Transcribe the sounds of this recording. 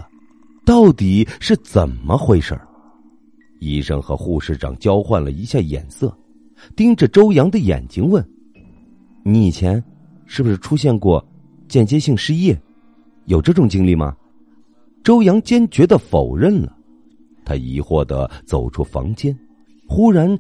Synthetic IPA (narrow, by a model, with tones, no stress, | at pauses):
t̪ɑ˥˩ʊt̪i˨˩˦ʂɻ̩˥˩t͡sə˨˩nmə˦xwe˥˧ɪʂə̰˞˥˨˩ | i˥˩ʂə̰˥ŋxɤ̰˧˥xu˥˧ʂɻ̩˥˩ʈ͡ʂɑ̰˨˩ŋt͡ɕjɑ˥ʊxwa˥˩nlə̰˩i˧˥ɕja˥˩jɛ̰˨˩nsɤ˥˩ | t̪i˥ŋʈ͡ʂə˨ʈ͡ʂo˥ʊjɑ˧˥ŋd̪ə˨jɛ̰˨˩nt͡ɕi˧˥ŋwə˥˩n | ni˧˥˩t͡ɕʰjɛ˧˥n | ʂɻ̩˥˩bu˩ʂɻ̩˥˩ʈ͡ʂʰu˥ɕ̬jɛ˥˧nkwɔ˥˩ | t͡ɕjɛ˥˩nt͡ɕjɛ˥ɕi˥˧ŋʂɻ̩˥jɛ˥˩ | jo˨˩ʊʈ͡ʂɤ˥˩ʈ͡ʂʊ˨˩ŋt͡ɕi˥ŋli˥˩mɐ̰˩ | ʈ͡ʂo˥ʊjɑ˧˥ŋt͡ɕjɛ˥nt͡ɕɥɛ˧˥d̪ə˨fo˨˩ʊɻə˥˩nlə̰˩ | t̪ʰa˥ḭ˧˥xwɔ˥˩d̪ə̰˦t͡so˨˩ʊʈ͡ʂʰu˥fɑ̰˧˥ŋt͡ɕjɛ˥n | xu˥ɻa˧˥n